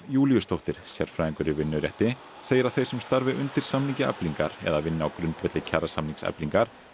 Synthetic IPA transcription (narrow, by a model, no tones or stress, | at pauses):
juːlijʏst̪owht̪ɪɾ̥sjɛɾ̥fɾaːĩŋkʏɾɪvɪnːʏɾjɛht̪ɪ | seːjɪɾawθej̥sɛmst̪aɾvɪʔʏnt̪ɪɾ̥samniŋcɪɛ̰pliŋka̰ɾɛ̰ðavɪnːɪawkɾʏnt̪vɛt̪lɪcʰaɾasamniŋksɛ̰pliŋkaɾ̥